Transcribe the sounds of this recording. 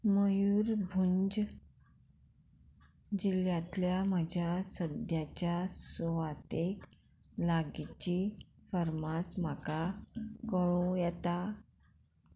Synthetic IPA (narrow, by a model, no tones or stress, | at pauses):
məjuɾbʱuɲd͡ʑ | d͡ʑiljãt̪ljaməd͡ʑʱjasəd̪jat͡ɕjasʋat̪ek | laɡit͡ɕifəɾmasm̤akakəɭũjɛt̪a